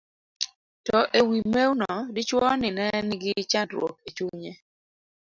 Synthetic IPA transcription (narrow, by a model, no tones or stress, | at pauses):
tɔʔewimewnɔdɪt͡ʃwɔnɪnɛnɡɪt͡ʃandɾwo̰ket͡ʃuɲe